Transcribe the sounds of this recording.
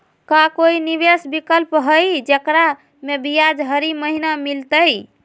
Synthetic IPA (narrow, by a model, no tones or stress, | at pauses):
kakoiniβesbikəlpɦəjd͡ʒekɾa | mebijad͡ʒɦəɾiməɦinamilt̪əj